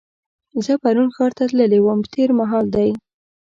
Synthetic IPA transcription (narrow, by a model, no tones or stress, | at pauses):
zəpaɾunxɑɾt̪at̪ləlewəmt̪ʰeɾmaɦɑld̪aj